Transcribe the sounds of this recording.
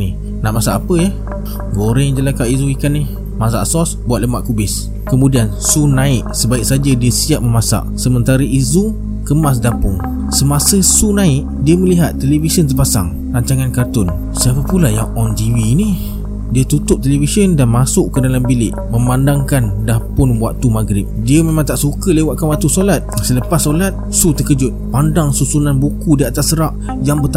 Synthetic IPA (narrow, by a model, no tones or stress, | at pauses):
nɪh | naʔmasaʔapəjə | ɡoɾɛŋd͡ʒəlakaʔizuikanːɪh | mas̬a̰ʔsɔsbuat̪̚ləmaʔkubɪs | kəmudiansunãɪʔsəbaɪk̚sad͡ʒədiəsiaʔ̚məmasa̰ʔsəmənt̪aɾəʔizu | kəmas̬dapʊŋ | səmasəsunaɪʔdiəməliɦat̪ːelevisəns̬əpasa̰ŋ | raɲt͡ʃaŋankart̪ʊn | səapəpulaja̰ŋɔnt̪iwini | diət̪ut̪ʊp̚t̪elevisəndanmasʊʔkədalambilɪ̰ʔmə̃mandaŋkandahpʊnbuaʔt̪umaɡɾɪp̚diəmemãŋt̪aʔsukəlewaʔ̪̚kanwat̪usolat̪̚sələpassːolat̪̚sut̪əkəd͡ʒʊt̪̚pandaŋsusunanbukudiat̪asːəɾaʔ | jaŋbət̪a